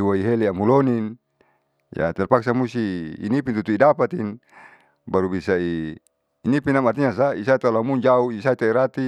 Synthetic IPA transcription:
waiɦeleamulɔnin | ja̰t̪ɛrpaksamust̪ḭːnipint̪ut̪uidapat̪in | baɾubisaiː | nipinamart̪iɲasaisait̪alamund͡ʒauisait̪aiɾat̪i

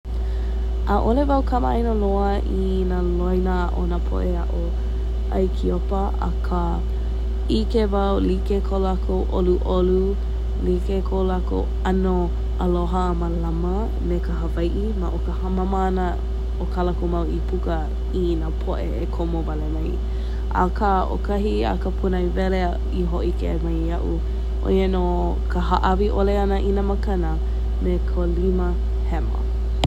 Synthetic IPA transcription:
ʔaʔolevawkʰɐməjnoloɐ | i | nalojnaʔo̰napʰo̰ʔeaʔo | ʔa̰jkʰiopɐ | ɐ̰kʰa | ikevawlikekʰolakʰowʔoluʔolu | likekʰolako̰ | ɐno | ʔəloɦəməlamə | mekəɦəvajʔimaʔokəhɐmaməːnə | okʰalakomawipʰukə | inapʰoʔeekʰomovalemaj | ʔa̰kʰao̰kʰɐɦia̰kəpʰunɐivɛle | iɦoʔikemɐjɐʔu | ʔo̰jeno | kʰəɦaʔɐviʔoleɐnəʔinaməkɐnə | mekʰolimə | hɛmə̰

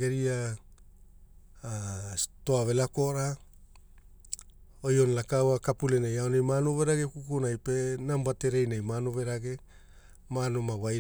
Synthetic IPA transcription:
ɡeɾia | to̞ave̞lako̞ɾa | ojonlakawakapulenajaonajmanove̞ɾaɡekukunajpenambate̞ɾe̞jnajmanove̞ɾaɡe̞ | manomawaj

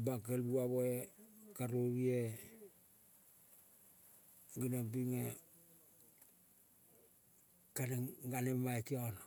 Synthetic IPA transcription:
bakelbuaβoekaɾoβie | ɡinobiŋe | kaneɡanemajkion

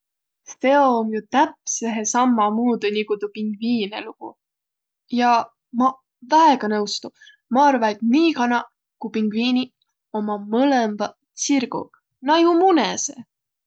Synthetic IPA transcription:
st̪eomjut̪æpseɦesɑmːɑmuːd̪unʲiɡut̪upiŋɡ̥viːneluɡ̥ṵ | jɑ | mɑ | væeɡ̥ɑnɤwst̪u | mɑɑrvɑet̪niːkɑnɑ | kupiŋɡ̥viːni | omɑmɤlemvɑ | sirɡ̥ṵ | nɑjumunesḛ

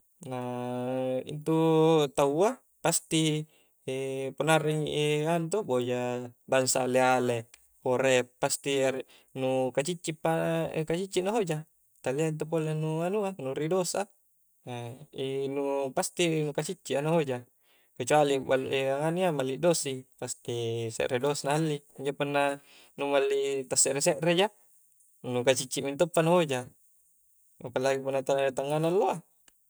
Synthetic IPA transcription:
na | ḭnt̪ut̪aua | past̪i | ponariŋʔiant̪obod͡ʒabaŋsa̰leale | poɾepːast̪i | nukat͡ʃit͡ʃːipːa̰kat͡ʃit͡ʃːinaɦod͡ʒa | t̪aliaint̪̬up̬olenuanuanuɾidosa̰ | inupast̪inukat͡ʃit͡ʃːiʔanuɦod͡ʒa | ket͡ʃualiba̰lṵʔeaŋaniamalːidosipast̪isḛʔɾedosanahalːi | iɲd͡ʒoponːa | numalːit̪asːeɾeseʔred͡ʒa | nukat͡ʃit͡ʃːiʔmint̪opːanuɦod͡ʒa | a̰palːaɡipunːat̪at̪aŋːanalːoa

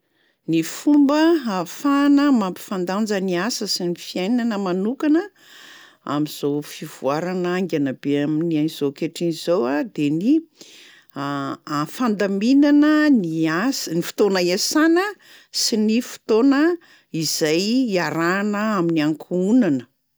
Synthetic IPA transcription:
nifumbəafanəmampi̥fand̪and͡zəniasəsinifiajnanəmanukanə | a̰miz̥ofivuaɾanaŋɡʲanabeaminianz̥okeʈ͡ʂinizowad̪eni | afand̪aminanəniasnifi̥t̪onaesanə | sinifi̥t̪onə | iz̥ajaɾanəaminiaŋkʰuunanə

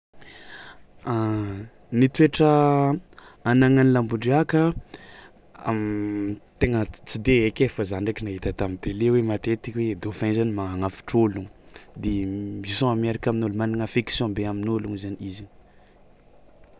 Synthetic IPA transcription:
a | nit̪ueʈ͡ʂə | anaŋanilambuɳɖ͡ʐiakə | amt̪eŋət͡sid̪eekʲefəzaɳekʲinaɦit̪ət̪amid̪elewemat̪et̪ikwed̪ofãnzanimaŋaŋafi̥ʈ͡ʂoluŋd̪emisɔ̃ameɾakaminolumaniŋafeksjɔ̃beaminoluŋzanizi

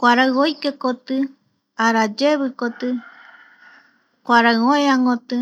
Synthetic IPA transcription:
kʷaɾaojkekot̪ɨ | aɾad͡ʒeβɨkot̪ɨ | kʷaɾaɨoeaŋɡot̪ɨ

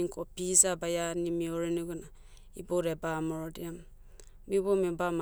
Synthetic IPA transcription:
iŋkopizabajanimioɾeniɡuna | iboɾebamoɾɔdiam | mibomibam

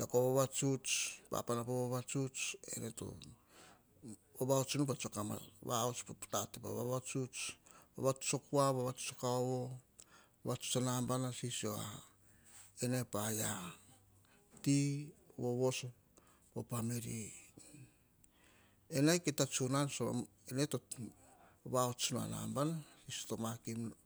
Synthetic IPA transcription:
takoβoβat͡ʃut͡ʃpa̰panapoβoβat͡ʃut͡ʃe̞̰neto̰ | oβaot͡ʃunupat͡ʃokama̰βaot͡ʃpapu̥tatepaβaβat͡ʃut͡ʃβa̰βat͡ʃu̥t͡ʃokuaβaβat͡ʃu̥t͡ʃokaoβo | βat͡ʃu̥t͡ʃanambanasisoa̰ | enepaja | tiβoβoso | opameɾi | enajketat͡ʃunanso̰ | eneto | βaot͡ʃunua̰na̰mbanasisotomakim

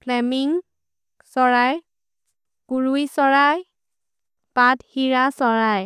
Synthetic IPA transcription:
pʰlɛmiŋ | sɔɹaj | kuɹujsɔɹaj | pathiɹasɔɹaj

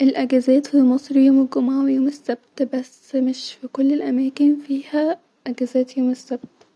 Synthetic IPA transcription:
ʔelʔæɡæzæːt̪fimɑsˤɾjoːmɪɡʊmʕawjuːmɪsːæb̚t̪bæs | mɪʃfikolːelʔæmæːkɪnfiːhæ | ʔæɡæzæːt̪joːmɪsːæb̥̚t̪

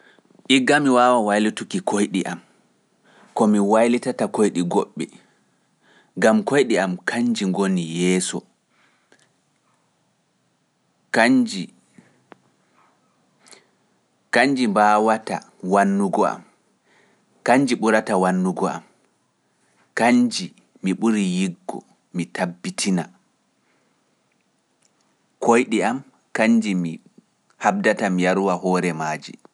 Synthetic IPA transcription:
ʔiɡːamiwaːwawajlitukikojɗiʔam | kɔmiwajlitatakojɗiɡɔɓːɛ | ŋɡamkojɗiamkʰaɲd͡ʒiŋɡonijɛːsɔ | kad͡ʒi | kaɲd͡ʒimbawata̰ | wanːuɡɔa̰m | kaɲd͡ʒiɓuɾatawanːuɡɔa̰m | kaɲd͡ʒi | miɓuɾijiɡːɔ̰ | mitʰabːitʰina | kʰojɗiam | kaɲd͡ʒimi | hab̚datamijaɾuwahɔːɾɛmaːd͡ʒḭ

